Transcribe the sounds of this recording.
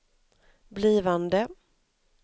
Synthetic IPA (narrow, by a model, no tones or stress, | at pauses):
bliːvand̪ə